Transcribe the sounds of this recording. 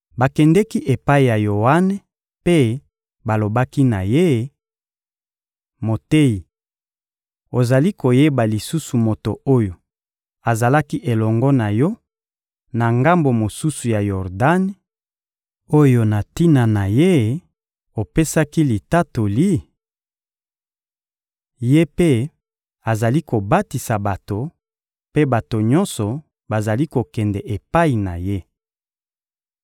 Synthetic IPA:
ba˨kɛ˨ndɛ˦ki˦ʔe˨pa˦i˨ja˨jo˨wa˦ne˨ | pe˦ | ba˨lo˨ba˦ki˦na˨je˦ | mo˨te˦i˨ | o˨za˨li˦ko˨je˦ba˨li˨su˦su˨mo˨to˨o˦jo˨ | a˨za˨la˦ki˦ʔe˨lɔ˨ŋɡɔ˦na˨jɔ˦ | na˨ŋɡa˦mbo˨mo˨su˦su˨ja˨jɔ˨ʁda˦n˦ | o˦jo˨na˨ti˦na˨na˨je˦ | o˨pe˦sa˦ki˦li˨ta˦to˨li˦ | je˦pe˦ | a˨za˨li˦ko˨ba˦ti˨sa˨ba˨to˨ | pe˦ba˨to˨ɲɔ˦nsɔ˨ | ba˨za˨li˦ko˨kɛ˨ndɛ˨ʔe˨pa˦i˨na˨je˦

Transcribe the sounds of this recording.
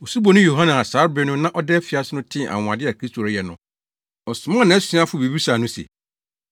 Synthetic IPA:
o˨su˦bo˨nʊ̃˦jo˨ɦa˦nã˨a˨saː˨˦ɾbɛ˦nʊ̃˦nã˦ʔɔ˦dɛː˦fɪ˨a˦sɪ˦nʊ̃˦tʰɪ̃˦˨ʔa̰˨w̃ã˨dɪ˦a˨kʰi˦stʰo˨ɾɛ˦jɛ˨nʊ̃˨ | ɔ˨sʊ˨mã˦˨nã˨ɛ˦sĩ˨˦a˦fʊ˦˨bi˨bi˦saː˨nʊ̃˦sḛ˨

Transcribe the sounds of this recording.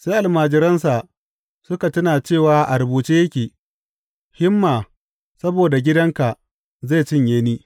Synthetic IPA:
seː˦ʔa˨lmaː˨d͡ʒɪ˦ɾɐ˦nsa˨ʔ | sʊ˦ka˨tʊ˦naː˨t͡ʃeː˦˨waː˨˦ʔa˨ɾʊ˨buː˨t͡ʃiː˦jɐ˦kʲiː˨ | hɪ˦mːaː˨ | sɐ˦boː˨da˨ɡʲɪ˦dɐ˦ŋka˨ʔ | zeː˦˨t͡ʃɪ˦ɲjeː˦niː˦

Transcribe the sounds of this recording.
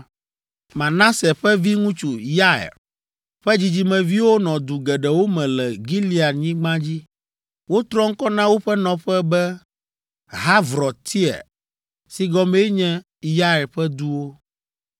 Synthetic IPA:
mã˨nã˦sɛ˨ɸɛ˦vi˦ŋũ˦t͡ʃu˨ja˦ɛ̰˨ɾ | ɸɛ˦d͡ʑi˦d͡ʑi˦mɛ̃˨vi˦wo˦nɔ̃˨d̪u˨ɡɛ˨ɖɛ˨wo˦mɛ̃˨lɛ˨ɡi˦li˦a˨ɲĩ˦ɡ͡bã˦d͡ʑi˦ | wo˦t̪ɾɔ˦ŋ̩˦kɔ˦nã˦wo˦ɸɛ˦nɔ̃˨ɸɛ˦bɛ˦ | ɦa˦vɾɔ˨t̪ʰi˦ɛ̰˨ | si˨ɡɔ˦mɛ˦ɲɛ̃˦ | ja˦ɛ˨ɾɸɛ˦d̪u˦wo˦

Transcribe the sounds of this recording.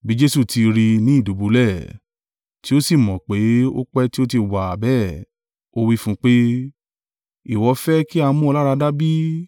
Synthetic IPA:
bi˨˦d͡ʒe˦su˦˨tʰi˧ɾi˧nĩ˨˦i˦˨du˨bu˨˦lɛ˦˨ | ti˦o˦si˦˨mɔ̃˨k͡pe˨˦o˦k͡pɛ˦ti˦o˦t̬i˧wa˨bɛ˦˨ | o˦wi˦fũ˦k͡pe˦ | i˦˨wɔ˧˦fɛ˦ki˦a˧˦mũ˦ɔ˧la˦ɾa˧da˦bi˦

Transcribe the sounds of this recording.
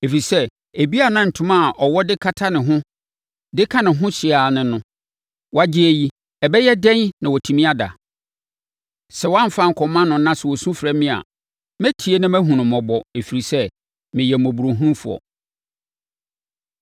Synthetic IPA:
e˨fi˨sɛ˦ | e˨bi˦a˨nã˦n̩˨tʰʊ̃˦mã˦˨ʔɔ˨wɔ˦dɪ˦kʰa˦tʰa˦nɪ̃˨ɦʊ̃˦ | dɪ˦kʰã˦nɪ̃˨ɦʊ̃˦ɕɪ˨a˨nɪ̃˨nʊ̃˨˦ | wa˦d͡ʑɪ˦æ˨ji˦ | ɛ˨bɛ˦jɛ˦dɛ̃˦nnã˨wɔ˨tʰi˨mĩ˦a˦da̰˨ | sɛ˨˦wã˦m̩˨fa˦ŋ̩˨kʰɔ˨mã˦nʊ̃˨˦nã˦sɛ˨wɔ˨sũ˦fɾɛ˦mɪ̃˦a̰˨ | mæ̃˦tʰi˨e˦nɪ̃˦mæ̃˦ɦũ˨nʊ̃˨mɔ̃˨bɔ˨e˨fi˨ɾi˨sɛ˦ | mɪ̃˨jɛ˨mɔ̃˨bu˨ɾo˨ɦũ˦mfu˨ɔ̰˨

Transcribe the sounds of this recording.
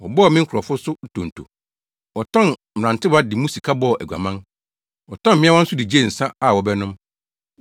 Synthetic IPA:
wɔ˨bɔ˦˨mɪ̃˦ŋ˦kʰʊ˨ɾɔ˨fʊ˦sʊ˦˨tʰõ˨n˨tʰo̰˨ | ɔ˨tʰɔ̃˦˨n | m̩˨ã˨ntʰɪ˦ba˦dɪ˨mũ˦si˨kʰa˦bɔ˦˨æ˨ɡʷa̰˨mã˦n | ɔ˨tʰɔ̃˦m̩mɪ̃˦a˦wɔ̃˦n̩˦sʊ˦di˨d͡ʑe˦˨n̩˨sa˦a˨wɔ˨bɛ˦nʊ̃˦m

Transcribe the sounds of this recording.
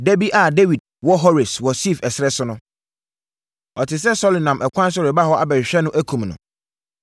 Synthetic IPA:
de˦bi˦ʔa˨de˦wi˨d̚wɔ˦ɦɔ˦ɾɪ˨swɔ˨si˦˨fɛ˨sɾɛ˦sʊ˦nʊ̃˦ | ɔ˨tʰɪ˨s̬ɛ˦sɔ˦li˨nã˨mʔɛ˨kʷʰã˦s̬ɾɛ˨ba˦hɔ˦a˨bɛ˨ɾɕᶣɛ˦nʊ̃˦ʔæ˦kʰũ˨mnʊ̰̃˨

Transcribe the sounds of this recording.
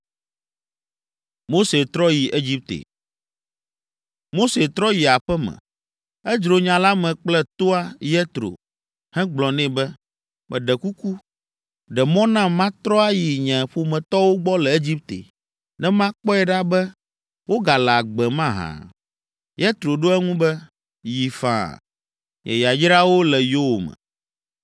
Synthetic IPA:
mo˦se˨t̪ɾɔ˦ji˨ʔe˦d͡ʑi˦p̚t̪ḛ˨ | mo˦se˨t̪ɾɔ˦ji˨a˨ɸɛ˦mɛ̰̃˨ | ɛ˦d͡ʒɾo˨ɲã˨la˦mɛ̃˨k͡plɛ˦t̪o˦a˦jɛ˦t̪ɾo̰˨ | hɛ̃˦ɡ͡blɔ̃˨nɛ̃˦˨bɛ˦ | mɛ̰̃˨ɖɛ˨ku˦ku˦ | ɖɛ˨mɔ̃˦nã˦mã˦t̪ɾɔ˦a˦ji˨ɲɛ̃˨ɸo˨mɛ̃˨t̪ɔ˦wo˦ɡ͡bɔ˦lɛ˨e˦d͡ʑi˦p̚t̪ḛ˨ | nɛ̃˦mã˦k͡pɔ˦ɛ˨ɖa˦bɛ˦ | wo˦ɡa˨la˨ɡ͡bɛ˨mã˦ɦã̰˨ | jɛ˦t̪ɾo˨ɖo˦ɛ˦ŋũ˦bɛ˦ | ji˨fã̰˨ | ɲɛ̰˨ja˨d͡ʒɾa˦wo˦lɛ˨jo˦wo˨mɛ̰̃˨

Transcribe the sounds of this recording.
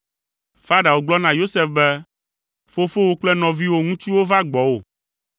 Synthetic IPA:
fa˦ɖa˨wo˦ɡ͡blɔ˦nã˨jo˦sɛ˦fbɛ˦ | fo˦fo˦wo˦k͡plɛ˦nɔ̃˨vi˦wo˦ŋũ˦t͡ʃi˦wo˦va˦ɡ͡bɔ˨wo˨

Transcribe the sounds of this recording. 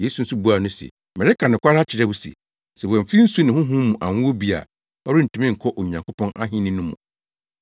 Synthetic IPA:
je˦su˨n̩˦su˦bu˦a˨nʊ̃˦sɛ̰˨ | mɛ̃˨ɾɪ˦kʰa˨nɪ̃˨kʷʰa˦ɾa˦t͡ɕʰɪ˨ɾɛ˦wu˦sɛ̰˨ | sɛ˨wɔ̃˨m̩˨fi˦n̩˦su˦nɪ̃˨hʊ̃˦ɦũ˦mũ˨ʔã˨ŋ˦wo˦bi˦a̰˨ | ɔ˦ɾɪ˦n̩˨tʰũ˦mɪ̃˦ŋ̩˨kʰɔ˦ʔo˨ɲ˨ã˨ŋkʰo˦pʰɔ̃˦na̰˦ɦĩ˦nɪ̃˦nʊ̃˦mṵ̃˨

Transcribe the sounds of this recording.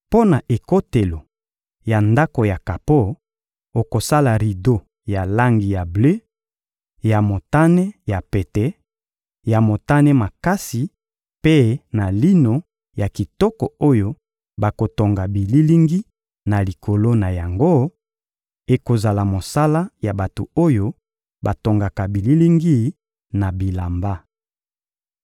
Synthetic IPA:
po˦na˨ʔe˨ko˦te˨lo˨ | ja˨nda˦ko˨ja˨ka˨po˦ | o˨ko˨sa˦la˨ʁi˨do˦ | ja˨la˦ŋɡi˨ja˨ble˦ | ja˨mo˨ta˦nɛ˦ja˨pe˨tɛ˦ | ja˨mo˨ta˦nɛ˦ma˨ka˦si˨ | pe˦na˨li˦no˨ | ja˨ki˨tɔ˦kɔ˨o˦jo˦ | ba˨ko˨to˨ŋɡa˨bi˨li˦li˦ŋɡi˦ | na˨li˨kʰo˨lo˦na˨ja˨ŋɡo˦ | e˨ko˨za˨la˨mo˨sa˦la˦ja˨ba˨to̰˨o˦jo˦ | ba˨to˨ŋɡa˨ka˨bi˨li˦li˦ŋɡi˦ | na˨bi˨la˨mba˦

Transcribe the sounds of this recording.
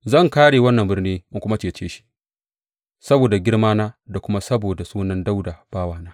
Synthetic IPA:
zɐ˦˨ŋkaː˦ɽeː˨wɐ˦nːɐ˨mbɪ˦rniː˦mʊ˦ŋkʷʊ˦ma˦t͡ʃeː˨t͡ʃeː˦ʃi̥˦ | sɐ˦boː˨da˨ɡʲɪ˦ɽmaː˦naː˦da˨kʷʊ˦ma˦sɐ˦boː˨da˨suː˦nɐ˦nda˦wdaː˨b̥aː˦waː˨naː˦

